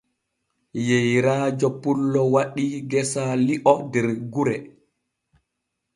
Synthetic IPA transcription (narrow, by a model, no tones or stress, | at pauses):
jejɾaːd͡ʒɔpulːɔwaɗiɡɛsaliʔɔdɛɾɡuɾɛ